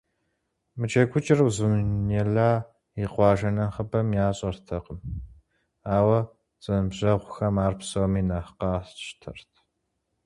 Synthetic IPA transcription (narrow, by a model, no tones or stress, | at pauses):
mɨt͡ʃʰekʷʰʊt͡ʃʼɪrwzɨmnɛɮaː | iqʷɑːʒɐnɐχəbɐmjaːɕʼɐrtʰɐqəm | aːwɐ | t͡sʼɨnɨbʑɐʁʷʊxɐmaːrpʰsowmiːnaχqɑːɕtʰɐ̰rtʰ